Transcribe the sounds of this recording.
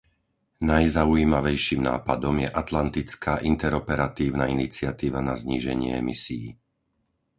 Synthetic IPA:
najzaujiːmaʋɛjʃimna̰ːpad̪ɔmjɛʔat̪lant̪it͡skaːʔint̪ɛɾɔpɛɾat̪iːʊnainit͡sɪat̪iːʋanazɲiːʒɛ̰ɲɪɛ̰ɛ̰misijḭ

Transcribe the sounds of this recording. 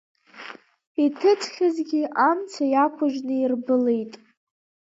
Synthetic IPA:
itʰɨt͡sʰʼχʲazɡʲiʔamt͡sʰajakʷʰʊʒnɨirbɨle̞jtʼ

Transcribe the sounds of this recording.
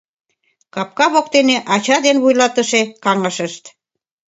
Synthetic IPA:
kɑp̚kɑβokt̪eneʔɑt͡ɕɑd̪enβujlɑt̪ə̆ʃekɑŋɑʃəʃt̪

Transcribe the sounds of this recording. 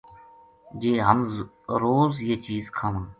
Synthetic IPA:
d͡ʒeːɦəm | ɾoːzjeːt͡ʃiːzkʰaːʋãː

